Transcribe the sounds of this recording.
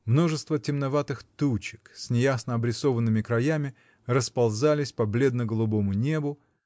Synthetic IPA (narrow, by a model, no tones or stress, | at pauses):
mno̞ʐɨst̪vətʲɪmnɐvat̪ɨxt̪ut͡ɕɪksʲnʲɪjasnəɐbɾʲɪso̞vənːɨmʲɪkɾɐjamʲɪ | rəspɐlˠzalʲɪsʲpɐblʲe̞d̪nəɡəlˠʊbo̞mʊnʲe̞bʊ